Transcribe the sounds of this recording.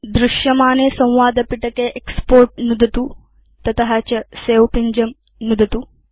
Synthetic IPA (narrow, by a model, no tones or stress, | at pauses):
d̪ɾuʃjɐmaːneːsɐ̃w̃ʋaːd̪ɐpiʈɐkeːʔekspoːɾʈ̚nud̪ʱɐt̪uː | t̪ɐt̪ɐɦɐt͡ʃɐseːwpiɲd͡ʒɐm | nud̪ʱɐt̪uː